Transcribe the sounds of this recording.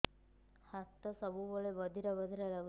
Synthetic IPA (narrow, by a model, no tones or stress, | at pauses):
hat̪ːɔsəbuboɭebəd̪ʱiɾɔbəd̪ʱiɾɔlaɡu